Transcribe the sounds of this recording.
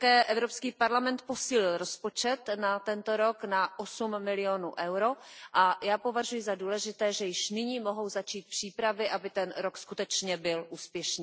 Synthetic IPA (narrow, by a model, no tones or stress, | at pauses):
akɛːʔɛvɾo̞pskiːpaɾlamɛnt̪̚po̞siːlɪlɾo̞spo̞t͡ʃɛt̪nat̪ɛnt̪o̞ɾo̞knaʔosumːɪlɪonṵːʔɛwɾo̞ʔajaːpo̞vaʒujɪzaduːlɛʒɪt̪ɛːʒɛjɪʃnɪɲiːmo̞ɦo̞wzat͡ʃiːt̪̚pr̝̥iːpɾavɪʔabɪt̪ɛnɾokskut̪ɛt͡ʃɲɛbɪlʔuːspjɛʃniː